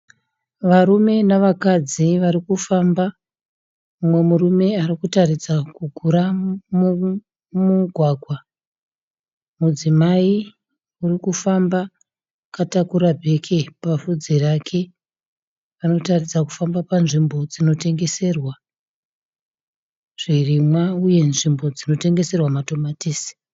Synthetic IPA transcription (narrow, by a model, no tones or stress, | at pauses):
ʋaɾume̞naʋakad͡ziʋaɾikufamba | umwe̞murume̞arikutarid͡zakuɡʱuɾamu | muɡʱwaːɡʱwa | mud͡zimai | urikufamba | katakuɾabʱe̞kʰe̞pavud͡zerakʰe̞ | ʋano̞tarid͡zaku̥fambapanʐimbo̞d͡zino̞te̞ŋɡe̞se̞rwa | ʐ̥irimwauje̞nʐimbo̞d͡zino̞te̞ŋɡe̞se̞rwamato̞matiːsi̥